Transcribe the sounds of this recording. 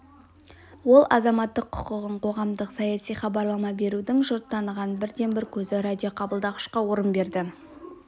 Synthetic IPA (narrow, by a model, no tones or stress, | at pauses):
wo̞lˠʔɑ̰zɑmɑt̪ːəqʰːʊ̥qəʁəɴqʰo̞ʁɑmd̪əqsɑjɑsijχɑbɑɾlˠɑmɑbe̞ɾud̪ɪŋʒʊɾt̪ːɑnəʁɑnbɪɾd̪e̞nbɪɾkʲʰɵzɪɾad̪ʲijo̞qʰɑbəlˠd̪ɑʁəʃqɑwoɾənbe̞ɾd̪ɪ